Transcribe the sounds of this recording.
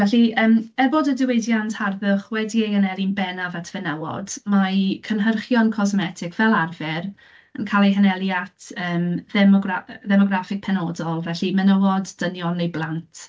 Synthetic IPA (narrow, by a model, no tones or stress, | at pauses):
vɛɬiəːmɛrboːdədɪwejdjantʰarðʊχwɛdiejənɛlinbɛnavatʰv̥ɛnawɔ̰dmakʰənɦərχjɔnkʰɔzmɛtʰɪkʰvɛlˠarvɪr | ənkʰalˠejɦənɛlˠjatʰəːmðɛmɔɡraðɛmɔɡrafɪk̚pʰɛnɔdɔlˠvɛɬimənəwɔdːənjɔnejblˠantʰ